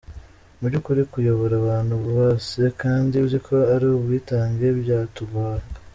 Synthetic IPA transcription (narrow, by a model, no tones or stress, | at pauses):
muɾɟukuɾikujo̞βo̞ɾaβaːn̥huβoːsekaːndiβzikʰo̞aɾiobwiːtaːŋɡe̞bjaːtuβaːɾa